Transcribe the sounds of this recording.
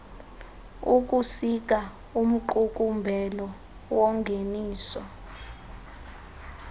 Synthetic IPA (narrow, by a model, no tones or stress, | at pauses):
uk̬ʼusik̬a | um̩ǃuk̬ʼumbʱɛlɔ | wɔŋɡʱeniːsɔ